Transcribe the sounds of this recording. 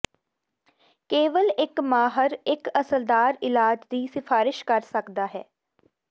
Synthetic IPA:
keːʋəlɪkmaːɦəɾɪkəsəld̪aːɾɪlaːd͡ʒd̪iːsɪfʰaːɾɪʃkəɾsəkd̪aːɦɛː

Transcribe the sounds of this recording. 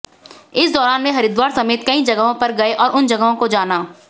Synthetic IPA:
ɪsd̪ɔːɾaːnmẽɦɐɾɪd̪waːɾsɐmeːt̪kɐĩd͡ʒɐɡəɦõpɐɾɡɐeʔɔːɾʊnd͡ʒɐɡəɦõkod͡ʒaːnaː

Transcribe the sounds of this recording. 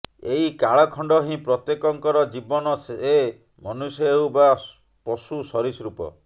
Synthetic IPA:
eɦikaɭɔkʰɔɳɖɔɦĩpɾɔt̪jekɔŋkɔɾɔd͡ʒibɔnɔsee | mɔnusɔeɦuba | pɔsusɔɾisɾupɔ̰

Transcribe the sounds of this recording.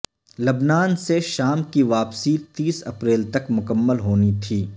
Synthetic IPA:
lɐbnaːnseʃaːmkiʋaːpsit̪iːsɐpɾeːlt̪ɐkmʊkəmːəlɦoːnit̪ʰiː

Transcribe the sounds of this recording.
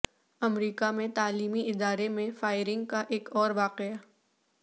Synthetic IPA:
ɐmɾiːkamẽt̪aːliːmiɪd̪aːɾemẽfaːɪɾɪ̃ŋɡ̚kaʔeːkɔːɾʋaːqea

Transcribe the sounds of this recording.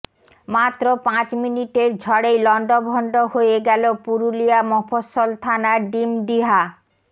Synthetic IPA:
mat̪ːɾopãt͡ɕminiʈeɾd͡ʑʱɔɽejlɔɳɖobʱɔɳɖohoeɡɛlopuɾulijamɔfosːolt̪ʰanaɖimɖiɦa

